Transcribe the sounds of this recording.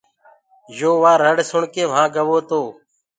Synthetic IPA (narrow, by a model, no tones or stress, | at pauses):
joːʋaːɾəɽsʊɳkeːʋ̤ãːɡəʋoːt̪oː